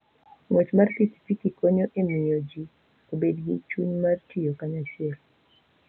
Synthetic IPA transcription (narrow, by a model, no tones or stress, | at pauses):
ŋwɛt͡ʃmarsisi̥fikikoɲoʔemiod͡ʒi | obedɡḭt͡ʃuɲmartʰijokaɲaʃɪɛl